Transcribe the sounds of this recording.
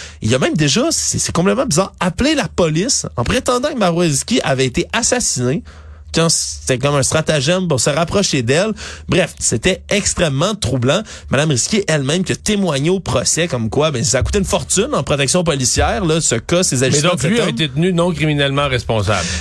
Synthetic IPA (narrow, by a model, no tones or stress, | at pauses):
ilɐmɛ̃md̪eʒʌssesɛkɔ̃plɛt̪mɑ̃bizɑːʁaplelapɔlɪsɑ̰̃pʁet̪ɑ̃d̪ɑ̃kəmaʁwaiskʲiʔavɛet̪eʔasasine | kɑ̃se̥t̪ɛkɔmɛ̃st̪χat̪aʒɛmpuʁsəʁapχɔʃed̪ɛlbʁɛfset̪ɛɛkst̪χɛmːɑ̃t̪χublɑ̃mad̪amʁiskʲeʔɛlmɛ̃mkʲiət̪emwaɲeopχɔsɛkɔmkwabɛ̃si̥saːku̥t̪eynfɔʁt̪ynɑ̃pχɔt̪ɛksjɔ̃p̬ɔlisjɛːʁlʌsəkʌsezaʒiɛd̪ɔ̃lɥiaet̪et̪nynɔ̃kʁiminɛlmɑ̃ʁɛspɔ̃sa̰bl